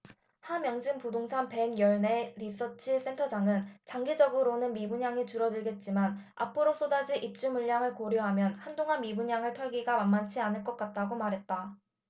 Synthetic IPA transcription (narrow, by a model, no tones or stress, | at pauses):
hamjʌŋd͡ʑɯmpudoŋsʰanpe̞ɡjʌɭne̞ɾis͈ʰʌt͡ɕʰis͈ʰe̞ntʰʌd͡ʑaŋɯnt͡ɕaŋɡed͡ʑʌɡɯɾonɯnmibuɲaŋit͡ɕuɾʌdɯɭɡe̞t̚t͡ɕ͈iman | a̰pʰɯɾos͈ʰodad͡ʑiʔip̚t͡ɕ͈umuɭːjaŋɯɭkoɾjʌɦamjʌnhandoŋɦanmibuɲaŋɯɭtʰʌɭɡiɡamanmːant͡ɕʰianɯɭk͈ʌk͈at̚t͈aɡomaɾɦe̞t̚t͈a